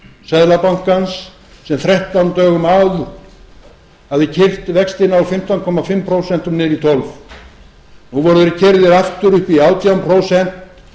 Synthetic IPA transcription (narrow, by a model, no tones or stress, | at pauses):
sɛðlapaŋ̥kansː | ɛmθɾɛht̪awnt̪œːɣʏmawð | havðɪcʰɪr̥t̪vɛkst̪ɪnaɔfɪm̥t̪ankʰɔmːafɪmːpʰɾowsɛn̥t̪ʏmnɪɾit̪ʰɔlv | nuvɔɾðɪɾɪcʰɛɾðɪɾaft̪ʏɾʏhpiaːwt̪ʰiawmpʰɾowsɛn̥t̪